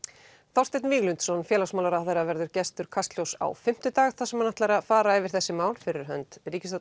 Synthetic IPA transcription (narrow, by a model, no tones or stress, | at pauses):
θawst̪et̪nviːɣlʏnt̪sɔnfjɛlasmaːwlaɾaθejɾavɛɾðʏɾcɛst̪ʏɾ̥kʰast̪ljowsa̰wfɪm̥t̪ʏt̪aːɣθasɛmːanːaht̪lajɾafaːɾaɛvɪɾ̥θɛsːɪmaːwlfɪɾɪɾ̥ɦœ̰nt̪riːcɪst̪